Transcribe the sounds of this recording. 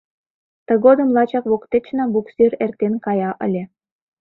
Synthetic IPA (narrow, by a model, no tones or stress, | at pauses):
t̪ə̆ɣod̪ə̆mlɑt͡ɕɑkβokt̪et͡ɕnɑbukserert̪enkɑjɑʔə̰̆lʲĕ